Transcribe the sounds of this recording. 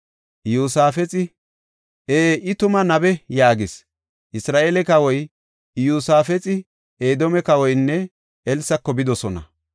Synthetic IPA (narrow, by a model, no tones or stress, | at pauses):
juːsaːfɛt͡sʼɪ | ʔeːʔɪt̪ʊmɐnɐbɛjaːɡɪs | ʔɪsɾaːʔelɛkɐwɔj | juːsaːfɛt͡sʼɪ | eːd̪ɔmɛkɐwɔjnːɛ | ɛlsɐkːɔbɪd̪ɔsɔnɐ̰